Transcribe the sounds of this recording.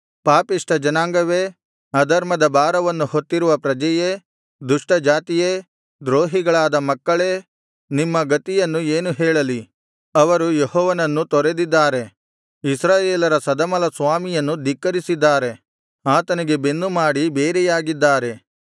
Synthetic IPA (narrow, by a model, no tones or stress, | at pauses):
paːpiʂʈɐd͡ʒɐnaːŋɡɐʋeː | ɐd̪ɐɾmɐd̪ɐbaːɾɐʋɐnːuhot̪ːiɾuʋɐpɾɐd͡ʒɐje | d̪uʂʈɐd͡ʒaːt̪ijeː | d̪ɾoːɦiɡɐɭaːd̪ɐmɐkːɐɭeː | nimːɐɡɐt̪ijɐnːueːnuɦɛːɭɐli | ɐʋɐɾujehɔːʋɐnɐnːut̪ɔɾed̪id̪ːaːɾe̞ | isɾaːjeːlɐɾɐsɐd̪ɐmɐlɐsʋaːmijɐnːud̪ikːɐɾisid̪ːaːɾe̞ | aːt̪ɐniɡe̞be̞nːumaːɽibeːɾɛjaːɡid̪ːaːɾe̞